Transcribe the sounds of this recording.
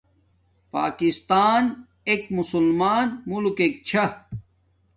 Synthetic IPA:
pa̰ːkist̪aːn | ekmusulmaːnmulkek̚t͡ɕʰɐ

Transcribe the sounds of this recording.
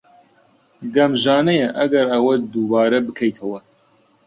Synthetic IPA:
ɡɐmʒaːnɛjɛʔɐɡɐɾɐwɐd̪ubaːɾɐbɨkʰɐjt̪ʰɐwɐ

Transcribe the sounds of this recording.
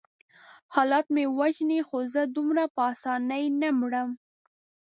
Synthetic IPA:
hɑlɑt̪mewaʒnixozəd̪umɾapəɑsɑnəjnamɽəm

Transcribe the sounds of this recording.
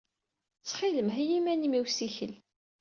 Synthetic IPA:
t͡sːχiləmɦijimænimiwsiçəl

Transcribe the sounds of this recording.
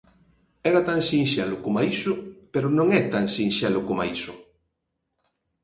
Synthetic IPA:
ɛɾat̪aŋsinʃɛlʊkomaisʊpeɾʊnõŋɛt̪aŋsinʃɛlʊkomaisʊ

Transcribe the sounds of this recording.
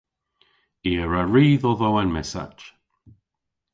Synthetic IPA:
iːəɹəɹiːðɔðoːanmɛsa̰t͡ʃ

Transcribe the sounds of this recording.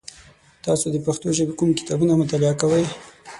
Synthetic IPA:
t̪ɑsod̪əpaxt̪oʒəbekumkɪ̥t̪ɑbunamʊt̪alɪɑkawəj

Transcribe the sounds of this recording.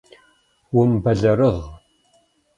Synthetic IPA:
wʊmbɐɮɐɾəʁ

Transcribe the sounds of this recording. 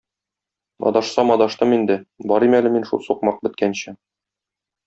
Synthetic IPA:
ɒ̰d̪ɑʃsɑmɒd̪ɑʃt̪ɤmind̪ɘbɒɾimælɘminʃṵlˠsuqmɑq̚bɘ̆t̪̚kænɕɘ

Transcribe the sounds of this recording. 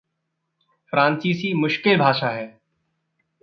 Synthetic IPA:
fɾãːnsiːsimʊʃkɪlbʱaːʃaːɦɛː

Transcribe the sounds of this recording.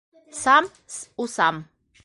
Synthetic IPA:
sam | susam

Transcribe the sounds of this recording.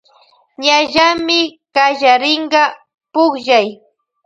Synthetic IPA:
ɲaʒamɪkaʒaɾɪɴɢɑ | pʊχʒaj

